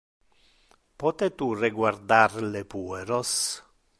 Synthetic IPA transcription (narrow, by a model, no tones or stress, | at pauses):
pɔt̪et̪ureɡward̪arlepueɾos